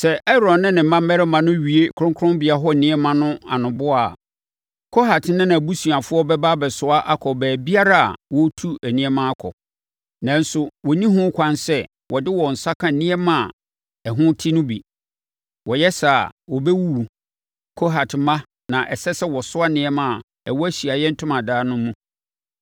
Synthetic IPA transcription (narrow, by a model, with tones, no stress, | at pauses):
sɛ˨ʔɛ˦ɾɔ̃˨nnɪ̃˦nɪ̃˨m̩˦mã˦m˦ɛ˦ɾɛ˦mã˨nʊ̃˦ɥi˨e˦kʰʊ˨ɾʊ̃˦ŋkʰʊ˦ɾʊ̃˦mbɪ˨a˨ɦɔ˦˨nɪ̃˦ɛ˦mã˨nʊ̃˦a̰˨nʊ̃˨bʊ˦a˨ | kʰo˦ɦa˨tnɪ̃˦nã˨bu˦su˨a˨fʊ˦ɔ˦bɛ˦ba˦bɛ˨sʊ˦a˦ʔa˦kʰɔ˨bæː˨bi˦a˦ɾa˦a̰˨wɔ˦tʰu˦æ˨nĩ˦ɛ˦mã˦a˦kʰɔ̰˨ | nã˨n˦sʊ˨wɔ˨nĩ˦ɦʊ̃˦kʰʷã˦nsɛ˦ | wʔɔ˨dɪ˦wɔ˨n̩˨sa˦kʰã˦˨nĩ˦ɛ˦mã˦˨ | ɛ˨ɦʊ̃˦tʰi˦nʊ̃˦bi˨ | wɔ˨jɛ˦sa˨wɔ˨bɛ˦wu˦u˨ | kʰo˦ɦa˨tʰmã˦ | nã˨ʔɛ˨sɛ˦sɛ˦wɔ˨sʊ˦a˦nɪ̃˦ɛ˦mã˨a˨ | ɛ˨wɔ˦æ˦ɕi˨a˨jɛ˦n̩˦tʰʊ̃˦mã˨daː˦nʊ̃˦mũ˦